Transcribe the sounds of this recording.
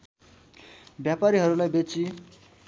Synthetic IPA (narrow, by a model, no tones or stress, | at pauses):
bjapaɾiɦʌɾulajbet͡si